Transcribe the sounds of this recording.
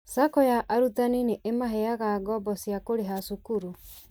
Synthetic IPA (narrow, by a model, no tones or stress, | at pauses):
sakɔjaʔaɾutanineʔemaɦɛaɣaɡɔbɔsiakoɾeɦasukuɾu